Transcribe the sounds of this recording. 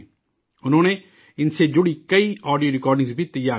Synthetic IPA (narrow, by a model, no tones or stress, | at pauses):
ʊnõːneː | ɪnseːd͡ʒʊɽiːkəiːɔːɖijoːɾɪkɔːɾɖɪ̃ŋzbʱiːt̪əjaː